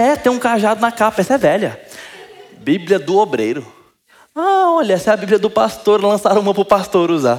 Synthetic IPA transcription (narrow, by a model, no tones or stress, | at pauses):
ɛt̪ẽũkaʒad̪ʊnɐkapɐɛsɐɛvɛʎɐ | bibliɐd̪ʊobɾḛjɾʊ | aɔʎɐɛsɛɐbibljɐd̪ʊpast̪oɾlɐ̃saɾɐ̃ũmɐ̃pɾʊpast̪oɾuza